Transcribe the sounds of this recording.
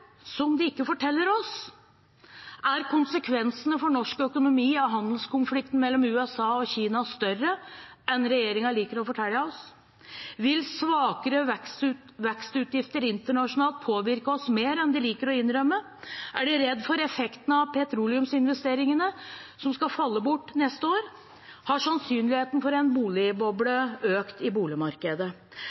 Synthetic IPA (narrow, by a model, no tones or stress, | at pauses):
sɔmd̪ɪɪkːəfɔʈʰɛlːəɾɔs | ʔæɾkʰʊnsəkʰʋɛnsənəfɔɳɔʂkœkʊnʊmiːɑɦɑnd̪lskʊnflɪk̚t̪n̩mɛlːɔmʉːɛsɑːɔçiːnɑst̪œrːəɛnɾɛjeːɾɪŋɑliːkəɾɔfɔʈʰæljɑɔs | ʋɪlsʋɑːkəɾə | ʋɛkst̪ʉːt̪jɪft̪əɾɪnt̪əɳɑʂʊnɑːlt̪̚pʰoːʋɪɾkəɔsmeːɾɛnd̪ɛliːkəɾɔɪnɾœmːə | æɖʉɾɛd̪ːfɔɾɛfɛkt̪ən̩ɑʋpʰɛt̪ʰɾuːlɪʉmsɪnʋɛst̪eːɾɪŋənəsɔmskɑfɑlːəbʊʈːnɛst̪əoːɾ | hɑʂɑnsyːnlɪheːt̪n̩fɔɾɛnbuːlɪbɔbɽəøːkt̪ɪbuːlɪmɑɾkəd̪ə